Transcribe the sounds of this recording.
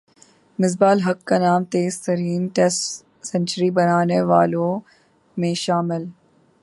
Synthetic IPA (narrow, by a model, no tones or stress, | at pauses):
mɪzbaːlɦɐkːanaːmt̪eːzt̪əɾiːnʈesʈ | sɐ̃nt͡ʃəɾibɐnaːneʋaːlõ | mẽʃaːmɪl